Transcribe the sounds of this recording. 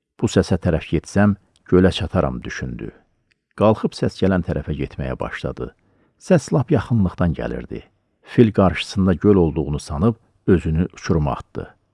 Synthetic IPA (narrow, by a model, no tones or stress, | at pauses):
b̥usæsæt̪ʰæɾæfɟet̪sæm | ɟø̞læt͡ʃʰɑt̪ʰɑɾɑ̰md̪yʃynd̪y̰ | ɡ̥ɑlˠχɯpsæsɟælænt̪ʰæɾʔæfæɟet̪mæjæ̰bɑ̰ʃlˠɑ̰d̪ɯ̰ | sæslˠɑpjɑχɯnlˠɯχt̪ɑnɟæ̰lḭɾd̪ḭ | filɡɑɾʃɯ̥sɯnd̪ɑɟølo̞lˠd̪uʁunusɑnɯb | ø̞zynyʔut͡ʃʰuɾmɑ̰t̪d̪ɯ̰